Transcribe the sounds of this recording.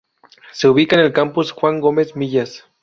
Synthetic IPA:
se̞uβikaenelkampusxwaŋɡome̞zmiʎas

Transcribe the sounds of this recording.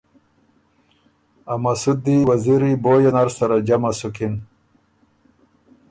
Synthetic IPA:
amasud̪iwɐziɾiboːjonaɾsaɾad͡ʑamasukin

